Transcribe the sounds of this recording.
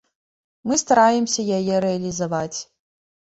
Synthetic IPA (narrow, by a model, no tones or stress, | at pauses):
mɨst̪ɐɾajɛmsʲɐjɐjɛɾɛɐlʲizɐvat͡sʲ